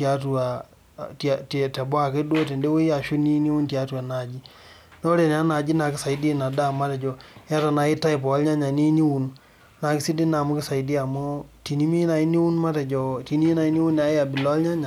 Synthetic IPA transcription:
ta˨˦tu˨a˨ | tttɛ˨bɔ˦a˨ke˦dwo˦te˨nde˦wo˦ja˨ʃu˦ni˦ni˦wu˦nti˨a˦tu˨a˨na˨d͡ʒi˦ | nɔ˦ɾe˨n˨a˦na˨d͡ʒi˦na˨ki˦sa˨i˦di˦na˨da˦˨ma˦tɛ˨d͡ʒɔ˨ja˦ta˨na˨i˦ta˦i˨p̬ɔ˨a˦lɲa˦ɲa˨ni˦ni˦wu˨n | na˨ki˦si˦di˦na˨mu˦kɪ˦sa˨i˦di˦a˨mɔ˦ti˨ni˦mi˦na˨i˦ni˦wu˦nma˦tɛ˨d͡ʒɔ˨ti˨ni˦i˦na˨i˦ni˦wu˦na˨˦ja˨bi˨lɔ˦a˦lɲa˦ɲa˨

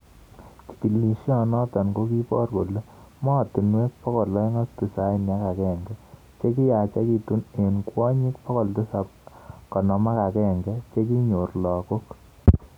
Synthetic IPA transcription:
ki̥˨ki˨lːi˨ʃa˨nɔ˦tɔ˨nko˦ki˦pɔ˦rko˨lo˦ | mɔ˦˨t̪i˨nwe˦k̚pɔ˦kɔ˨lːɔ˦e˦ŋɔ˦st̪u˨sa˦i˨nja˦ka˨kɛ˦ŋɡɛ˦ | t͡ʃe˦k̬i˦ja˨t͡ʃa˦ki˧tu˦ne˨nkwɔ˦ɲi˦k̚pɔ˦kɔ˨ltu˦sa˨p̚kɔ˨nɔ˨ma˦ka˨kɛ˦˨ŋɡɛ˦t͡ʃe˦k̬i˦ɲo˨rlɔ˨ko˦k

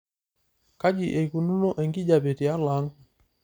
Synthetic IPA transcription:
ka˦d͡ʒi˨ʔɛ˨iku˨nu˦nɔ˦ʔɛ˨ŋɡi˦d͡ʒa˨pɛ˨ti˨a˦la˨˦ŋ

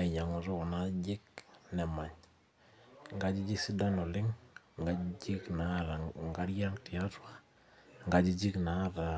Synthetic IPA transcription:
a˨ɲa˨ŋu˨zɔ˦ɔ˨na˦d͡ʒɪ˦k̚nɛ˨ma˨ɲ | ŋɡa˦d͡ʒi˦d͡ʒi˦si˦da˦nɔ˨lɪ˦ŋ | ŋɡa˦d͡ʒi˦kna˨˦ɾa˨ŋɡa˦ɾja˦ŋti˨a˦twa˦ | ŋɡa˨d͡ʒi˦d͡ʒi˦kna˨˦ta˨

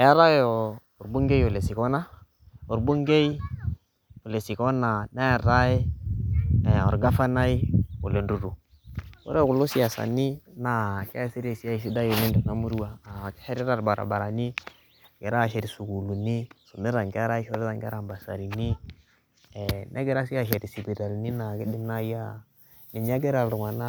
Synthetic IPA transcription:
ja˦ɾa˦jɔ˨ | o˨ɾbu˦ŋɡe˦jo˨le˨si˨kɔ˦na˦ | o˨ɾbu˦ŋɡe˦i˦ | o˨le˨si˨kɔ˦na˨na˦a˨ɾa˦e˦˨ | ɔ̰˨ɾɡa˦fa˦na˦i˦o̰˨le˨ndu˨ɾu˨ | o̰˦ɾɛ˦ku˨lo˦si˦a˨sa̰˨ni˦na˨kɛ˦si˦ɾe˨si˦a˦i˨s̬i˦da˦ju˨le˦ndɛ˨na˦mu˦ɾu˦wa˦˨kʃɛ˦ɾi˦ɾa˨ɾba˨ɾa̰˨ba˨ɾa˨ni˦ | ɡɛ˨ɾa˦˨ʃɛ˨ɾi˨su˨ku˨lu˨ni˦so˨mɪ˦ɾa˨ŋɡa˦ɾa˦i˦ʃɔ˦ɾɛ˦ta˦˨ŋɡɛ̰˦ɾa˨mba˨sa̰˨ɾi˨ni˦ | ɛ˨nʔɛ˦ɡɛ˦ɾa˦si˦a˨ʃɛ˨ɾi˨si˨bi˨ɾa˨lni˦na˨kɪ˦dɪ˦m˦na˦ja˦ | nɪ˨ɲ˦a˦ɡɛ˦ɾa˨lɾʊ˨ŋa˨na˦

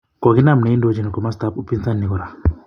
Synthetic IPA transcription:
kɔ˨ɡi˦na˦˨mne˨˦i˦ndo˦d͡ʒi˨na˨kɔ˨ma˦st̪a˦pu˦pi˦nsa˦nːi˨ɡɔ˨ɾa˨

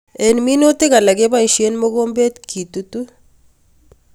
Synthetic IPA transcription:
e˨nmi˦no˦te˦ka˨la˨ɡe˦ba˦˨ʃie˦nmo˦ko˦mbe˦tkʰi˨tu˨tu˦

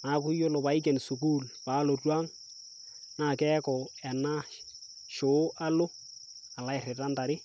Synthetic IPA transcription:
na˨˦kʊ˦jo˦lo˨ba˨˦ɪ˦k̬ɛ˨nsu˨k̬u˦lpa˦lo˨rwa˦ŋ | na˦˨kɛ˦kɔ˨ɛ˨na˦ʃ | ʃo˨˦ʔa˦lo˦ | a˨la˦ɪ˨rɪ˨ta˦nda˨ɾɪ˦

